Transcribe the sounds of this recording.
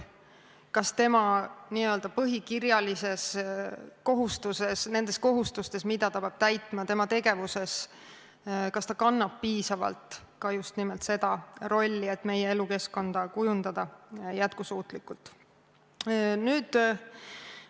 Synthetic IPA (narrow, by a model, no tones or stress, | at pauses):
kɑst̪e̞mɑniːø̞ld̪ɑpɤɦikirjɑlise̞s | ko̞ɦust̪use̞sne̞nd̪e̞sko̞ɦust̪ust̪e̞smid̪ɑt̪ɑpɑb̥̚t̪æjt̪ːˑmɑt̪e̞mɑt̪e̞ɡe̞vuse̞s | kɑst̪ɑkɑnːɑb̥̚piːsɑvɑ̰lt̪ | kɑjust̪nimelt̪se̞d̪̥ɑɾo̞lʲːie̞t̪ːˑme̞jee̞luke̞sko̞nd̪̥ɑkujund̪̥ɑd̪̥ɑjæt̪̚kusuːt̪ˑlikːˑult̪ | nyːd̪̥